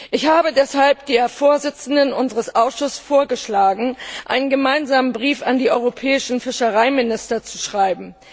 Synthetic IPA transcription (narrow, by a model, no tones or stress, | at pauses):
ʔɪçhaːbədɛshalpd̥iːɐfoːɐzɪt͡sn̩dənʔʊnzəʁəsʔaʊsʃʊsfoːɐɡəʃlaːɡŋ̩ʔa̰ɪnənɡəmaɪnzaːmənbʁiːfandiːʔɔʏʁopʰɛːɪʃn̩fɪʃəʁaɪmɪnɪstɐt͡su̥ʃʁ̥aɪbm̩